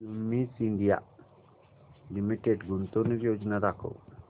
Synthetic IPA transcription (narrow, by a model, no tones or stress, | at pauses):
umːisiɳɖija̰ʔ | limiʈeɖɡunt̪ɔniɾjod͡ʒnaɾakʰɔ̰w